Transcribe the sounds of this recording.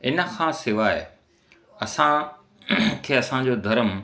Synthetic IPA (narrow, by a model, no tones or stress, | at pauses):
ɪnə̆kʰãːsɪʋaːɪ | ɐsã | kʰeːɐsãd͡ʑod̪ʱɐɾəm